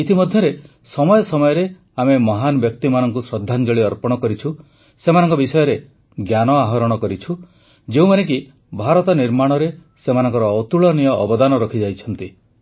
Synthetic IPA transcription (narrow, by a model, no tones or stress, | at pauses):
it̪ʰimɔd̪ʱjɔɾe | sɔmɔjɔsɔmɔjɔɾe | amemɔɦanɔbjɔkt̪imanɔŋkusɾɔd̪ʱːand͡ʒɔɭiɔɾpɔɽ̃ɔkɔɾit͡ʃʰu | semanɔŋkɔbisɔjɔɾe | ɡjanɔaɦɔɾɔɽ̃ɔkɔɾit͡ʃʰu | d͡ʒeũmanek̬i | bʱaɾɔt̪ɔniɾmaɽ̃ɔɾe | semanɔŋkɔɾɔɔt̪uɭɔnijɔʔːbɔd̪anɔɾɔkʰid͡ʒajt͡ʃʰɔnt̪i